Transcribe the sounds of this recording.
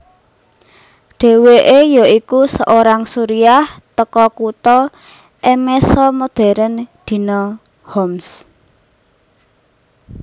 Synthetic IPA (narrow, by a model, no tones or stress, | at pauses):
ɖ̪̥e̤weʔejɔikusəʔoɾaŋsuɾiaht̪əkɔkut̪ɔ | ʔemɛsɔmod̪̥ɛ̤ɾənd̪̥i̤nɔ | hɔms